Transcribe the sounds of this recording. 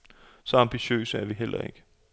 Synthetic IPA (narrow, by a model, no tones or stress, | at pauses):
sɒ̽ɑ̈mb̥iɕø̰ːsəæɐʋiɦel̰ɐ̰e̝ɡ̥ə